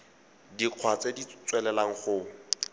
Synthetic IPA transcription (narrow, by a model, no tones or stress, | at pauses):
diq͡χʰwat͡sedit͡sʼwɛlɛlaŋ̩χʊ